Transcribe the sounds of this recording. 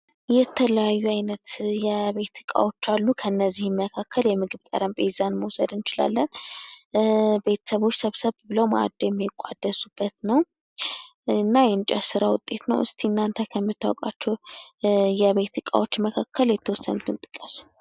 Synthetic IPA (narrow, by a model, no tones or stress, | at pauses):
jɛt̪ʰːələjajːuajnət̪jɛβe̞t̪ʰːɨkʼa̰wo̞t͡ʃːalːukʰənːəzːihmːəkʰakːəljɛmɨɡɨβt̪ʼə̰ɾəmpʰʼezanməwsəd̪ɨnɨt͡ʃɪla̰lːən | be̞t̪ʰə̥səβo̞t͡ʃːsəβsəβbɨləwma̰d̪jɛmːekʷʼa̰d̪əsub̥ːət̪nəw | ɨnːajɛnt͡ʃʼɛsɨɾawʊ̰t̪ʼːe̞t̪nə̰wʔɨst̪ʰiɨnːant̪ʰəkʰəmːɨt̪ʰːawokʼa̰t͡ʃːɛw | jɛβe̞t̪ʰɨkʼa̰wo̞t͡ʃːməkʰakʰːəljɛt̪ʰːəwɔsːə̰nut̪ɨnt̪ʼɨkʼːəsu̥